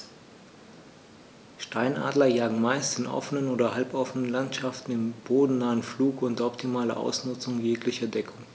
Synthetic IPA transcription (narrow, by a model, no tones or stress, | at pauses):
ʃtaɪnʔa̰ːdlɐjaːɡŋ̩maɪstɪnʔɔ̰fənənoːdɐhalpʔɔfənənlantʃaftn̩ɪmb̥oːdn̩naːənfluːkʔʊntɐɔptʰimaːlɐ̰ʔa̰ʊsnʊt͡sʊŋjeːklɪçɐdɛkʰʊŋ